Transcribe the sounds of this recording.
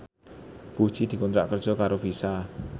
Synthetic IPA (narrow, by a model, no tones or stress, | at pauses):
b̥u̥t͡ʃid̪̥i̤kont̪ɾa̰ʔkərd̥ʒ̥ɔ̤kaɾov̥isa